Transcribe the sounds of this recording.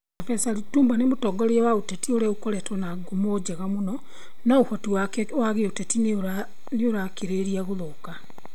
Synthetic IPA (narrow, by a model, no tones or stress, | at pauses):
afɛsaɾituːmbanemotɔːɡɔɾiawautetioɾeukoɾɛtwɛnaɡomod͡ʑeɣamonɔ | naohotiwawaɣeotetin | neoɾakeɾeɾiaɣoloka